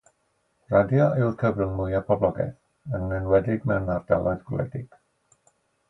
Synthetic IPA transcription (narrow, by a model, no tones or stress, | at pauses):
radjɔɪwrkʰəvrənmʊjapʰɔblˠɔɡɛ̰θ | ənɛnwɛdɪɡmɛwnarda̰lˠɔðɡlɛ̰dɪɡ̥